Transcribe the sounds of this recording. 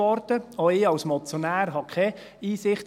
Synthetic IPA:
ɔɾt̪əɔɪːɑwsmɔt͡sjonæːɾɦɑkʰχɛ | iːsɪχt

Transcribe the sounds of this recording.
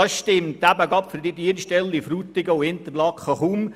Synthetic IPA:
ɑsʃtɪmt̪æbəɡɑpfɪɾd̪idiːnʃtɛlːifɾuːt̪ɪɡəʊɪnt̪əɾlɑkχəχum

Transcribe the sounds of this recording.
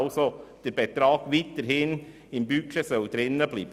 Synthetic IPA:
lsod̥əɾb̥et̪ɾɑːɡ̥ʋit̪əɾhɪn | ɪmbykʰʃəsœld̪̥ɾɪnːəbliːbə

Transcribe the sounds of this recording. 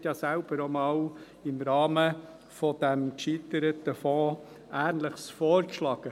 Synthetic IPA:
tjɑːsælb̥əɾomɑːw | ɪmɾɑːmə | fɔd̥æmkʃit̪əɾət̪əfɔ̃ː | ʔæːɾnləχsfɔːɾkʃlɑːɡ̥ə

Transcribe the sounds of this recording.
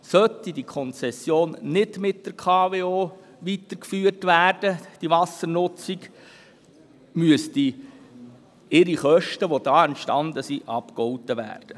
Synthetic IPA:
sœt̪idikʰɔnt͡sɛsjoːnːɪdmɪt̚d̥əɾkʰɑːveːoː | ʋitəɾkfyːərtʋæːrd̥əd̥iʋɑsəɾnʊt͡siɡ | myəsti | ɪɾiχœʃtəʋod̥ɑːɛntʃtɑnd̪əsiʔɑpkɔwtəʋæ̰ːrd̥ə

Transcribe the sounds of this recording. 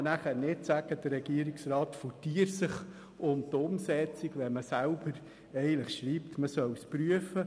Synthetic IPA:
næχænɪtsæɡ̥əd̥̪ərːɛɡ̥iəɾiksɾɑːtfɔtiːəɾsɪχ | ʊntʊmsɛt͡siɡʋɛməsælb̥əɾ | ɛɪɡələχʃɾiːptməsœwspɾyəfə

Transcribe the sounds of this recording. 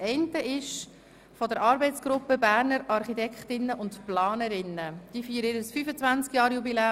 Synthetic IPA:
ɛɪntəʔɪʃ | fɔdəɾɑːɾbɛɪt͡sɡ̥ɾʊpːəbæːɾnəɾɑɾχitɛkχtɪnːəʔʊntplɑːnəɾɪnːəd̥iːfiːɾəɪːɾəsfyːfət͡svænt͡skjɑːɾjubilɛː

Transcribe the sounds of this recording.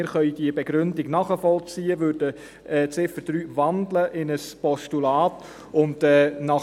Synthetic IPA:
ɪɾχœʏd̥iəbɛɡɾʏndɪɡnɑːχəfɔlt͡siːəʋøːdə | ɛːt͡sɪfəd̥ɾyːvɑndləʔɪnəspɔstulɑːt | ʊndɛːnɑ

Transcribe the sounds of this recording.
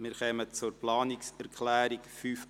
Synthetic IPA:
mɪɾχɛmət͡sʊɾplɑːnɪksɛɾkʰlæːɾɪkfyːf

